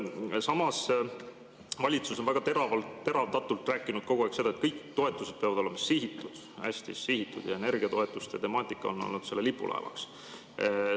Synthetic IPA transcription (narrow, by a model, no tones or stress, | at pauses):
sɑmɑs | vɑlʲit̪suso̞nvæɡ̥ɑt̪eɾɑvɑt̪e̞ɾɑvd̪̥ɑt̪ːˑult̪ːˑræːkːˑinud̪̚koɡuækse̞d̪ɑet̪̚kɤjkt̪o̞e̞t̪ːˑuse̞d̪̚peɑvɑd̪o̞lːemɑsːiɦit̪ːˑud̪̥ | æ̰sʲt̪isːihit̪ːˑud̪̥jɑe̞ne̞rɡiɑt̪o̞e̞t̪ːˑust̪eɑt̪e̞mɑːt̪ˑikːˑɑ̰onːo̰lnːud̪̥se̞lːelipːˑṵlʔɑ̰ḛvɑ̰ks